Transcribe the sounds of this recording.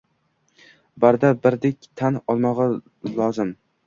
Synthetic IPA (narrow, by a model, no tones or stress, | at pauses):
baɾd̪abɪɾd̪ekʲt̪ʰanɒlˠmɒʁɑ | lˠɒzɪm